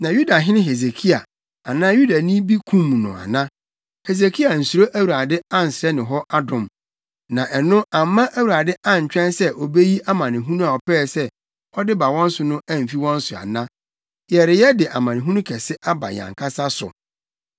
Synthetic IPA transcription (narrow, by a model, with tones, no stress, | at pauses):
nã˨ju˦da˨ɦɪ˦nɪ̃˦ɦe˨ze˨kʰi˦a˨ | a˨nãː˦ju˦da˨nĩ˦bi˦kʰũ˦m˨nʊ̰̃˨a̰˨nã˦ | he˨z̬e˨kʰi˦a˨n̩˨su˨ɾo˦ʔæ˦wu˨ɾa˨dɪ˦ã˦n̩˨sɪ˨ɾɛ˦nɪ̃˨ɦɔ˦ʔa˦dʊ̃˨m | nã˨ʔɛ˨nʊ̃˦ʔa˨mː˦ã˦ʔæ˦wu˨ɾa˨dɪ˦ʔã˦˨ɲ̩˨t͡ɕᶣɛ̃˦nsɛ˦ʔɔ˨be˦ji˦ʔa˦mã˨nɪ̃˨ɦũ˦nũ˦a˨ɔ˨pɛː˦˨sɛ˦ | hɔ˦dɪ˦ba˨wɔ̃˦n̩˦sʊ˨nʊ̃˦ʔæ˦˨m̩˨fi˦wɔ̃˦n̩˦sʊ˨a̰˨nã˦ | jɛ˨ɾɪ˨jɛ˦dɪ˨ʔa˨mã˨nɪ̃˨ɦũ˦nũ˦kʰɛ˨sɪ˦ʔa˦ba̰˨ɲ˨ã̰˨ŋkʰa˦sa˦sʊ̰˨